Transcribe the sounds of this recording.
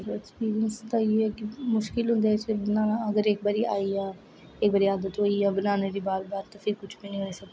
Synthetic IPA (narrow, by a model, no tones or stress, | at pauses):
ɾɛkspiːɾijənst̪aːieɛːkɪmʊʃkɪlɦʊ̃nd̪ɛt͡ʃebɪnaːnaəɡəɾek̚baɾiʔaːiaː | eːk̚bəɾiaːd̪ət̪ɦoːiaːbənaːned̪iːbaːɾbaːɾt̪oːpʰɪɾkʊt͡ʃʰbinĩːɦoːisəɡ̪